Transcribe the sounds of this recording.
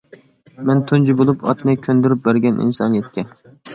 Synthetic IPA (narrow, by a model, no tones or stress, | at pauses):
mɛnt̪ʰund͡ʒibolˠupʰɑ̰t̪nɨkʲʰønd̪yɾyp̚bæɾɡʲɛnʔḭnsɑ̰nɨjɛt̪̚kʲɛ